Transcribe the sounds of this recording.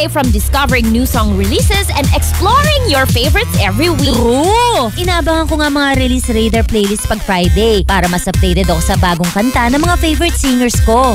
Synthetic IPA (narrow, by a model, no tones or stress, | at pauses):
jfɹɔmd̪ɪskɐvɛɹɪ̃ŋnjusɔ̃ŋɹɪliːsɛsɛ̃nd̪ɛksplɔɹɪ̃ŋjɔɹfeɪvɛɾɪt̪sʔɛvɹiwiɾuʔɪnaːbɐŋɐŋkoŋaɐŋmɐŋaɾɪliːsɾejd̪ɐɹplejlɪst̪̚pɐɡ̚fɾajd̪ejpaːɾɐmɐsɐp̚lejt̪ɛd̪ɐko̞sɐbaːɡoŋkɐnt̪anɐŋmɐŋafejvɛɾɪt̪siŋɛɹsko̞